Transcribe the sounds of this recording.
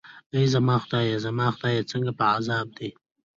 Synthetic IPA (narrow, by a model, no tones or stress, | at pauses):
əjzamɑːxʊd̪ɑjazamɑxd̪ɑjat͡səŋɡapəazɑːb̚d̪e